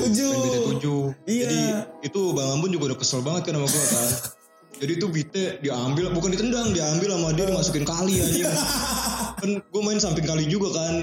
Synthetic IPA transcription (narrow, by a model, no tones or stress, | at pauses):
ud͡ʒuatt̪ud͡ʒuadiit̪ubaŋampʊnd͡ʒuɡaudakəsəlbaŋət̪̚kanamaɡuakan | d͡ʒadiːt̪ubit̪ɛdiaambɪlbukandit̪əndaŋdiaambɪlːamaadiadimasukɪnkalian | kanɡuamaɪnsampɪŋkalid͡ʒuɡakan